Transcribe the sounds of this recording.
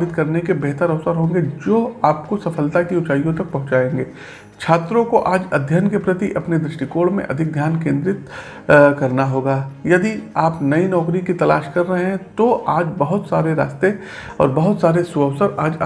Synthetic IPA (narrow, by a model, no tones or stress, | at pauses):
bɪt̪kɐɾnekebɛɦt̪əɾɐʋsəɾɦõːŋ̆ɡed͡ʒoːaːpkosɐfʰəlt̪akiʊt͡ʃaːijõt̪ɐk̚pɐɦʊ̃t͡ʃaːẽːŋɡeː | t͡ʃʰaːt̪ɾõkoʔaːd͡ʒɐd̪ʱjənkepɾɐt̪iʔɐpned̪ɾɪʃʈikoːɽmḛ̃ʔɐ̰d̪ʱɪk̚d̪ʱjaːnkẽːnd̪ɾɪt̪ | kɐɾnaɦoːɡaːjɐd̪iaːpnɐinɔːkɾikit̪ɐlaːʃkɐɾːɐɦeɦɛ̃t̪oʔaːd͡ʒbɐɦʊt̪saːɾeɾa̰ːst̪e | ɔ̰ːɾbɐɦʊt̪saːɾesʊəʋsəɾaːd͡ʒ